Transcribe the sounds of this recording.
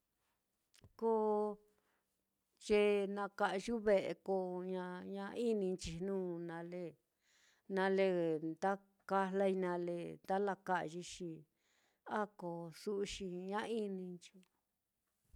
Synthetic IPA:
ko˦˧ | t͡ʃe˧nã˧ka˧ʔʒu˦βe˧˨ʔḛ˧ko˧ɲã˧ɲã˧i˦nĩ˧nt͡ʃi˧nũː˦nã˧le˦˧ | nã˧le˧nd̪a˦ | ka˧la˧i˧nã˧le˧nd̪a˦la˧ka˧ʔʒi˧ʃi˧ | a˦ko˨˧su˦ʔʃi˧ɲã˦i˦nĩ˧nt͡ʃi˧

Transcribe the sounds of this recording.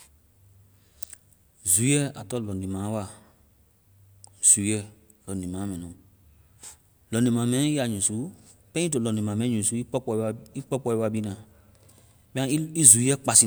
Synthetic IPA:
zu˨˦ɛ˦a˨tɔ˦˨lɔ̃˨ndĩ˨mãː˨˦wa˨ | z̥u˨˦jɛ˦˨ | lɔ̃˨nĩ˨mã˨˦mɛ̃˨nũ˨ | lɔ̃˨ndĩ˨mã˨˦mɛ̃˦nĩ˦a˨ɲũ˨su˨˦ | pɛ̃˦t̬o˨lɔ̃˨dĩ˨mã˨mɛ̃˦ɲũ˨su˨˦i˦ɔ˦ɔ˧i˦k͡pɔ˦k͡pɔ˦i˦˧wa˧˨ɓi˦nã˨ | ɓɛ̃˦i˦zu˨˦jɛ˦k͡pa˨si˧

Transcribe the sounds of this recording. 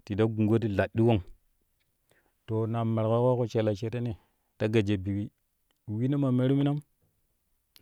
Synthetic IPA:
ti˨da˦ɡu˨ŋɡo˦ti˦ɮa˨i˦wo˦ŋ | to˨na˨me˨ɾka˦ka˦ko˦t͡ʃe˨la˨t͡ʃe˦te˦ni˨ | ta˦ɡa˨d͡ʒe˨bi˨ki˦ | wi˦na˦ma˨me˦ɾi˦mi˦na˦m

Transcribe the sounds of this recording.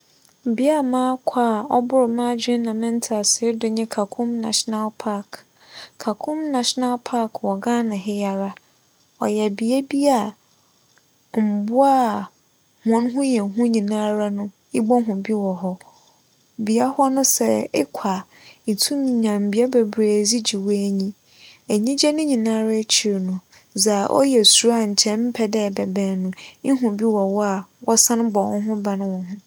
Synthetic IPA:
m̩˨bi˦a˦˨mãː˦kʷʰa˦˨ɔ˦bʊ˦ɾmã˦d͡ʑᶣɪ̃˦nã˨mɛ̃˦n˦tʰa˨sɪ˨˦dʊ˨ɲɪ̃˦kʰa˨kʰʊ̃˦mna̰˨ʃna˦lpʰa˦k | kʰːa˨kʰʊ̃˦mnã˨ʃna˦lpʰa˦kʰwɔ˨ɡã˦nã˨ɦɪ˦ja˨ɾa˦ | ɔ̰˨jɛ˨bi˨a˦bi˦a˨ | m̩˨bʊ˦a˦ | mɔ̃˨˦n˦ɦʊ̃˦jɛ̃˨ɦʊ̃˦ɲĩ˨nãː˦ɾa˦nʊ̃˦ | ɪ˦bɔ˦ɦʊ̃˨bi˦wɔ˨ɦɔ˦ | bi˨a˦hɔ˦nʊ̃˦sɛ˦ɪ̰˦kʷʰa˨ | n̩˨tʰũ˦mĩ˨ɲã˨m̩˨bi˨˦a˦bɛ˨bɾe˨d͡zi˦d͡ʑi˨wɔ˦æ˨ɲĩ˦ | æ˨ɲĩ˦d͡ʑɛ˦nʊ̃˦ɲĩ˨nãː˦ɾa˦t͡ɕʰi˨ɾnʊ̃˨ | za˨ʔɔ̰˦jɛ˨su˨˦a˦˨ɲ̩˨t͡ɕʰɛ̃˦m̩˦pʰɛ˦dɛ˦˨bɛ˨bɛ̃ː˨nʊ̃˨ɪ˦ɦʊ̃˨bi˦wɔ˨wɔ˦a˨wɔ˦sã˦n˦bɔ˨wɔ̃˦ɦʊ̃˦ba˨nʊ̃˦wɔ̃˨ɦʊ̃˦

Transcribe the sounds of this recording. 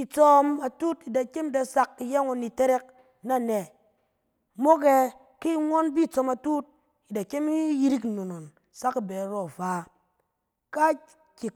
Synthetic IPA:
i˨t͡so˦ma˨tu˦ti˨da˨ke˦m˦da˧sa˨kːi˨je˦ŋo˨ni˨te˦ɾe˦k̚ | na˦˨ne˨ | mo˦ke˦ | ki˦ŋʷo˦nbi˦˨t͡so˧ma˨tu˦t̚ | i˨da˨ke˦mi˦ji˦ɾi˦kno˨no˨n | sa˦ki˨bɛ˨˦ɾo˨fa˨˦ | ka˦ | ki˨k̚

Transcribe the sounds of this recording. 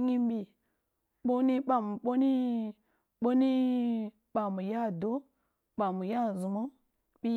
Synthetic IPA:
ɲi˦m˦bi˨ | ɓo˦ni˦ɓa˨mu˨ɓo˦ni˦ | ɓo˦ni˦ | ɓa˨mu˨ja˦˨do˦ | ɓa˨mu˨ja˦˨zu˨mo˦ | ɓi˦

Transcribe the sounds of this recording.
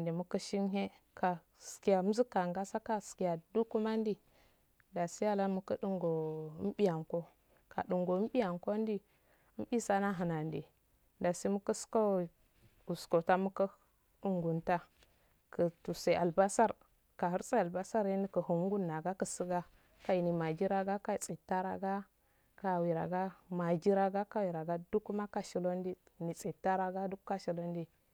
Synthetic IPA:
ndi˨mu˦kə˦ʃi˦nɦe˦ | ka˨ | ski˨ja˨˦m̩˦zi˦kːa˨ŋɡa˦sa˦ka˦ski˨ja˨du˦ku˦ma˦n˦di˦ | da˨si˦ja˦la˦mu˦kə˦du˦ŋɡo˨˦m˦bi˦ja˨ŋko˦ | ka̰˨ɗu˨ŋɡo˨˦m˦bi˦ja˨ŋko˦n˦di˦ | m˦bi˦sa˦na˦ɦa˨na˨ndi˨ | da˨si˦mu˦kə˦sko˦ | u˨sko˨ta˦mu˦kə˦ | u˦ŋɡu˨nta˦ | kə˨tu˨sa˨a˨lba˦sa˦˨ɾ | ka˨hu˦ɾsʼa˦a˨ba˦sa˦ɾe˦ndi˦kə˨hu˨ŋ˦ɡu˦nːa˨ɡa˦kə˨si˦ɡa˦ | ka˨i˨ni˨ma˨d͡ʒi˦ɾa˦ɡa˦ka˦˨t͡sʼi˨tːa˦ɾa˨ɡa˦ | ka˨wi˨ɾa̰˨ɡa˦ma˨d͡ʒi˦ɾa˦ɡa˦ka˦wi˨ɾa˨ɡa˦du˦ku˦ma˦ka˨ʃi˨lo˦ndi˦˨ni˨t͡sʼi˨tːa˦ɾa˨ɡa˦du˦kka˦ʃi˨lo˦ndi˦

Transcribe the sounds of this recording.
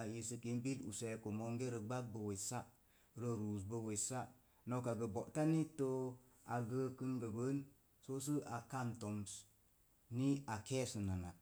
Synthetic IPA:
a˨je˨sə˧ki˨˦nbi˦lṵ˨se˨ko˨mo˦ŋɡe˦ɾə˨ɡ͡ba˦k̚bə˨we˨sa˦ | ɾə˦ɾu˨s̬bə˧we˨sa˦ | no˦ka˨ɡə˨bo˨ʔta˦ni˦to˦ | a˨ɡə˦kɨ˦nɡə˨ɡə˦n | so˦s̬ɨ˦a˨ka˦˨nto˨ms | ni˦a˨kɛ˦sɨ˨na˨na˨

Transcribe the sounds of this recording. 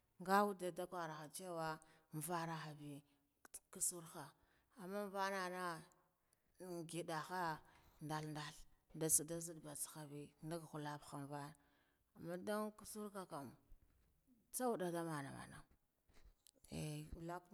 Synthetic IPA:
ŋɡa˦wu˦da˨da˦kʷa˨ɾa˨xa˨t͡ʃe˦wa˦m˨va˦ɾa˦xa˨bi˦ | ku˦su˦ɾxa˨ | a˨mːa˦ɱ˦va˦na˨na˦˨ | ɡi˨da˨xa˦nda˨lnda˨ɬda˨su˨da˦zi˦dba˨t͡sxa˨bi˦nda˦ɡxu˨la˦bxa˨m˨va˦na˨ | a˨mːa˦da˦ŋku˦su˦ɾka˦ka˨m˨ | t͡sa˦u˦da˨da˦ma˨na̰˨ma̰˨na̰˨ | ḛ˨la˦k

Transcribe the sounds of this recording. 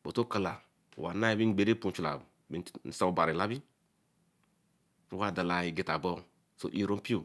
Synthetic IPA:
bo˨to˦ka˨la˨ | wa˨na˦i˨bi˦n˨ɡ͡be˨ɾe˦pu˦˨t͡ʃu˨la̰˨b | bi˦n˨sa˦u˦˨ba˨ɾi˨la˦bi˦ | wa˦˨da˨la˨i˨ɡi˨ta˨bɔ˦ | so̰˨ʔi˨ɾo˦m˦pi˦o˨

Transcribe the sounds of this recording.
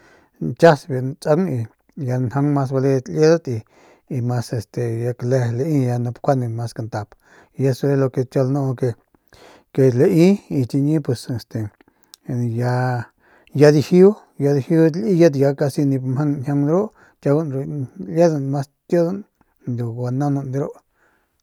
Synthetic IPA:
nt͡ʃa˦sbi˧˨nt͡sʼa˧kni˧ | ja˧nha˧ŋmã˧s̬ba˧le˧t̪lje˦d̪a˦t̪iː˧ | mã˧se˧st̪e˨ja˧ka˧le˧le˧ʔĩ˦ja˧nã˧pkʷa˦nĩ˧mã˧ska˧nt̪a˧p | ja˧swe˧lo˧ke˧t͡ʃ̪jo˧lnõ˧ke˧ | ke˧le˧ʔĩ˦i˧t͡ʃ̪i˧ɲĩ˦pwe˧se˧˨st̪e˨ | ja˧ | ja˧ði˧hi˦u˦ | ja˧ði˧hi˧˦u˦li˦ja˦t̪̬ja˧ka˧si˧nĩ˧mhã˦n˧nʲã˧ŋ˧ɾo˦ʔ | t̪ʲa˧u˦nɾo˧lje˦ða˧nmã˦s | t̪jo˦ða˦n | nd̪u˧a˧nã˦nũ˧nd̪i˧ɾo˦ʔ

